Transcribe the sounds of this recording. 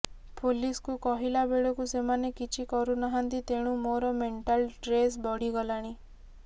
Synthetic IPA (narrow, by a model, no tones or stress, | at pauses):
poliskukɔɦilabeɭɔkusemanekit͡ʃʰikɔɾunaɦant̪it̪eɽ̃ũmoɾɔmeɳʈalʈɾes̬bɔɽiɡɔlaɽ̃i